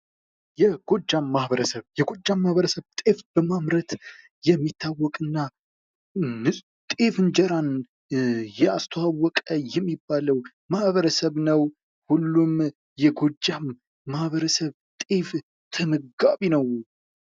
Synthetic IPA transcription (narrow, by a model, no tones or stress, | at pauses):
jɛɡ̥o̞d͡ʒːamːahβəɾəsəβjɛɡo̞d͡ʒːamːahβəɾəsəβt̪ʼefb̥əmamɾət̪ | jɛmːit̪ʰːawːɔkʼɨnːa | nɨsʼ | t̪ʼefɨnd͡ʒɛɾan | jɛast̪ʰəwawːɔkʼəjɛmːibːaləw | mahβəɾəsəβnəw | hulːum | jɛɡo̞d͡ʒːamː | ahβəɾəsəβ | t̪ʼef | t̪ʰəməɡaβinəw